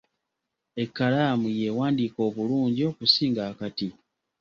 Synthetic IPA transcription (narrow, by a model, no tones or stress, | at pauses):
e̞kːalaːmujeːwaːndiːko̞ːβuluːɲɟio̞ːkusiːŋɡakati